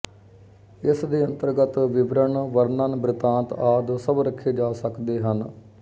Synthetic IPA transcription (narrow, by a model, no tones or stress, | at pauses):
ɪsd̪iːənt̪əɾɡət̪ʋɪbɾəɳʋəɾnəːnbɾɪt̪ãːnt̪aːd̪səbɾəkʰːeːd͡ʒaːsəkd̪eːɦən